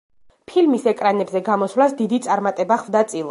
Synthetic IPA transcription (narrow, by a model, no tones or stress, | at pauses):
pʰilmisɛkʼɾanɛbzɛɡamɔsvlasd̪id̪it̪sʼaɾmat̪ʼɛbaχvd̪at̪sʼilˠa